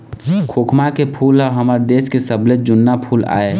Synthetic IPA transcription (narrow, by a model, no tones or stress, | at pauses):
kʰoːkʰmakepʰuːlɔɦəməɾd̪eːskesəbled͡ʒʊnːapʰuːla̰ːe